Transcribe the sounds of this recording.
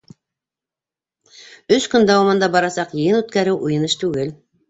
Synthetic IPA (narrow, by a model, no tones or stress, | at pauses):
ɵʃkɵnd̪ɑwɑmɑnd̪ɑbɑɾɑsɑqjɤ̆jɤnʉt̪̚kæɾɘwʔujɤ̆nɤʃt̪ʉɡɘl